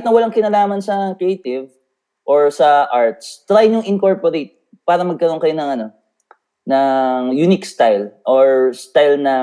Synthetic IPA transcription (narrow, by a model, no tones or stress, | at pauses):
t̪nɐwɐlaŋkɪnaːlaːmɐnsɐkɾɛejt̪ɪv | ʔoɹsɐʔaɹt̪̚st̪ɾajɲʊŋʔɪŋkoɹpoɾejt̪̚ | paːɾɐmɐɡ̚kɐɾonŋkɐjo̞nɐŋɐno̞ | nɐŋjunɪkst̪ajlʔoɹst̪ajlnɐ